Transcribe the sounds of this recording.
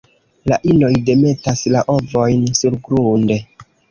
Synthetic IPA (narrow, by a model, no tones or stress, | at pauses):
laʔino̞jde̞me̞taslaʔo̞vo̞jnsuɾɡɾunde̞